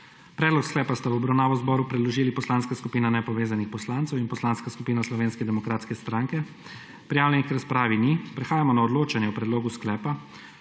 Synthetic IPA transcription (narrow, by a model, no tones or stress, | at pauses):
pɾɛd̪lɔksklɛːpast̪aʋubɾawnaːʋɔzbɔːɾupɾɛd̪lɔʒiːlipɔslaːnskaskupiːnanɛpɔʋeːzanixpɔslaːnt̪ɛwinpɔslaːnskaskupiːnaslɔʋeːnskɛd̪ɛmɔkɾaːt̪skɛst̪ɾaŋkɛ | pɾijaːwlɛnixkɾaspɾaːʋinipɾɛxaːjamɔnaɔd̪loːt͡ʃanjɛɔpɾɛd̪loːɡusklɛːpa